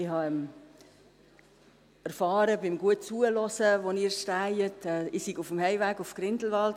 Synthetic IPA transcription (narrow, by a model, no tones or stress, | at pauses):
ɪhɑɛm | ɛɾfɑːɾəbɪmɡuət̚t͡suəlɔsəʋoniːɾʃtæɪətɛːɪsiɡufəmhɛɪvæːɡufɡ̥ɾɪndl̩ʋɑlt